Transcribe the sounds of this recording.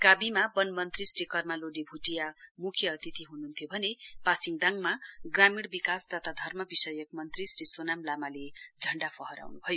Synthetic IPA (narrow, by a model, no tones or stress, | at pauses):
kabimabʌnmʌnt̪risɾikʌrmaloɖibʱuʈijamukʰjʌːt̪it̪ʰiɦunuɦnt̪ʰjobʱʌnepasiŋd̪aŋmaɡramiɽbikasd̪at̪ad̪ʱʌrmʌbisʌjʌkmʌnt̪risrisonamlamaled͡zʱʌɳɖapʰʌɦʌɾa̰wnubʱʌjo